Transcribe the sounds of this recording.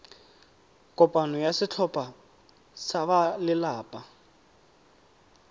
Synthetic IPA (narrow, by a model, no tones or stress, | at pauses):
kʼɔpʼanɔjasɪt͡ɬʰɔpʼa | saβalɪlaːpʼa